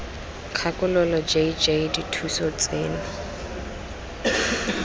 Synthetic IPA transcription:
kʰakʼʊlɔlɔd͡ʒeid͡ʒeiditʰusɔt͡sʼeːnʊ

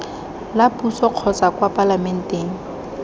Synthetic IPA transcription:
lapʼusɔq͡χʰɔt͡sakwapʼalamɛn̩tʼeːŋ̩

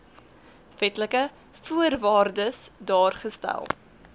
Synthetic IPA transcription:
fɛtləkə | fuərvɑːrdəsdɑːrχəstæ̰lˠ

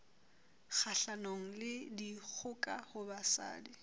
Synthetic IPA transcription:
k͡xʰaɬanoŋ̩lɪdik͡xʰʊkʼahʊbasa̰ːdi

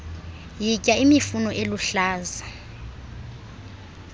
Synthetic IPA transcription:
jicʼaimifunɔʔeluɬaːza

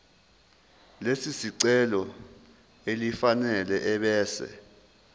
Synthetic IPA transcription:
lesisiǀɛlɔ | elifanɛlɛʔɛɓɛːsɛ̰

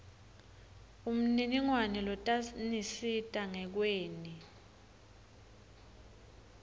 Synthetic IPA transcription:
um̩niniŋwanɛlɔtʼanisitʼaŋɛk̬weːni

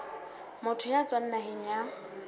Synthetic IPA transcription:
mʊtʰʊjat͡sʼwan̩naɦɪɲa

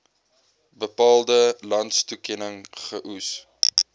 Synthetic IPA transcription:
bəpɑːlˠdəlɐntstukɛnəŋχəʔus

